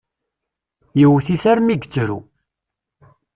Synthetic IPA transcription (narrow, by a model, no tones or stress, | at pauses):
jəwθiθæɾmiɡət͡sːɾṵ